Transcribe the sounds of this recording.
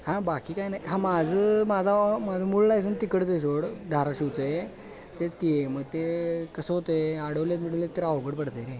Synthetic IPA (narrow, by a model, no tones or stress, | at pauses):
hãbakiːkajnajɦãmad͡zəmad͡zʱamad͡zʱamuɭlajs̬unt̪ikəɽt͡səjs̬oɽd̪ʱaɾaɕuwt͡səje | t̪et͡sk̪ieməɡ̚t̪ekəsəɦot̪əeaɽəʋljet͡smiɽulat̪əɾawɡəɽpəɽt̪ənẽ